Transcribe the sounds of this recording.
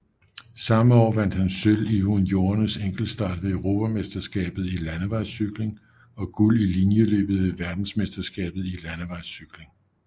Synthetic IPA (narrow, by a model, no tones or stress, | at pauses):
sɑ̈məɒ̰ːʋæn̰d̥hænsølihunjo̝ːɐnəseŋ̰ɡ̥l̩sd̥ɑ̰̈ːd̥ʋe̝øʊʁo̝ːpʰæmesd̥ɐsɡ̥ɛ̰ːb̥ð̞̩ˠilænəʋɑ̈ɪsyɡ̥le̝ŋ | ɒ̽ɡ̥ulilinjəlø̰ːb̥ð̩ˠʋe̝ʋæɐd̥n̩smesd̥ɐsɡ̥ɛ̰ːb̥ð̩ˠilænəʋɑ̈ɪsyɡ̥le̝ŋ